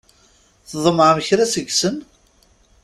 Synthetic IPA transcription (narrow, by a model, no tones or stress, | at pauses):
θðˤəmʕməçɾæsəɡsən